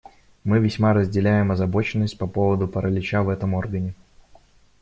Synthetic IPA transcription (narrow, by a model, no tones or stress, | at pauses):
mɨvʲɪsʲmaɾəzʲdʲɪlʲæjɪmɐzɐbo̞t͡ɕɪnːəsʲt̚ʲpɐpo̞vəd̪ʊpəɾəlʲɪt͡ɕavɛt̪əmorɡənʲɪ